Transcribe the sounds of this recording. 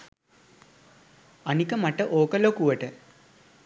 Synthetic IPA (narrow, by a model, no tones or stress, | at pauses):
ɐnikəmɐʈːəʔoːkɐlokuʋəʈə